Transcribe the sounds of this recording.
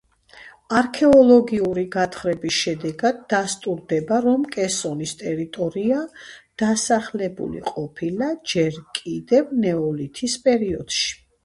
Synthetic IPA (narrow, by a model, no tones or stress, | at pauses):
aɾkʰɛɔlˠɔɡiuɾiɡat̪ʰχɾɛbisʃɛd̪ɛɡad̪ːast̪ʼuɾd̪ɛbaɾɔmkʼɛsɔnist̪ʼɛɾit̪ʼɔɾiad̪̥asaχlɛbṵlḭqʼɔpʰilad͡ʒɛɾkʼid̪ɛvnɛɔlit̪ʰispʼɛɾiɔd̪̥ʃi̥